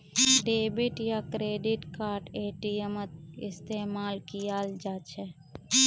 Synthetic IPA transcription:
ɖeːbɪʈjakɾeːɖɪʈkaːɾʈeːʈiəmət̪ɪst̪eːmaːlkijaːld͡ʒaːt͡ʃʰɛ

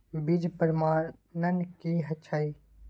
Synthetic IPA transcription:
bid͡ʒpəɾmaːnənkiːɦɐt͡ʃʰai

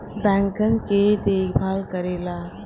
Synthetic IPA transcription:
bɛ̃ŋkənked̪eːɡʰbʱaːlkəɾeːla

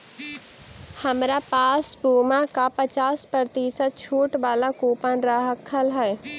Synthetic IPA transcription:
hɐmɾapaːsbuːmãkapɐt͡ʃaːspɾɾət̪iːsət̪̚t͡ʃʰuːʈʋaːlakuːpənɾaɦəkʰəlɦɛː

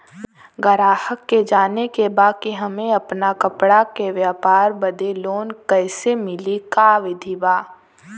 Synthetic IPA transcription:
ɡɐɾaːhəkːed͡ʒaːnekebaːkeɦɐmẽɐpnakɐpɽakeʋjaːpaːɾbɐd̪eloːnkɛːsemɪlikaːʋɪd̪ʱibaː

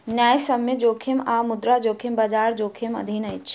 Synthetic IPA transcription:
njaːjsɐmjed͡ʒoːkʰimaːmʊd̪ɾad͡ʒoːkʰimbad͡ʒaːɾd͡ʒoːkʰimɐ̰d̪ʱiːnɐjt͡ʃʰ

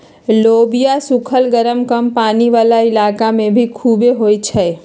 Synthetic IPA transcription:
loːbijasʊkʰəlɡəɾəmkəmpaːniʋaːlaɪlaːkamẽbʱikʰuːbeɦoːit͡ʃʰɛ

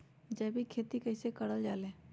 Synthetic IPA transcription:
d͡ʒɐːbʱikʰeːt̪ikɐɪsekəɽəld͡ʒaːlẽː

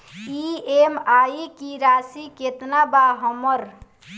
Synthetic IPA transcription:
iemaikiɾasiket̪nabaɦəməɾ

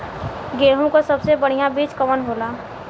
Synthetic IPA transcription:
ɡeːɦũkosɐbsebəɽ̤ijãbiːt͡ʃkəmənɦoːlaː

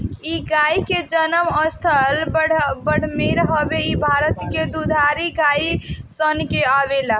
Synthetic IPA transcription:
iɡaiked͡ʒənəməst̪ʰəlbəɽbəɽ̤meɾɦəbeibʱaɾət̪ked̪ud̪ʱaɾiɡaisənkeabela

